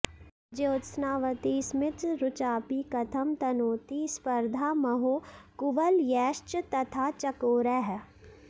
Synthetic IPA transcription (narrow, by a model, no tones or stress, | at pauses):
d͡ʒoːt̪snaːʋət̪ismɪt̪ɾʊt͡ʃaːpiːkɐt̪ʰɐmt̪ɐnoːt̪ispɐɾd̪ʱaːmɐɦoːkʊʋəljɛːʃt͡ʃt̪ɐt̪ʰaːt͡ʃɐkoːɾɛɦ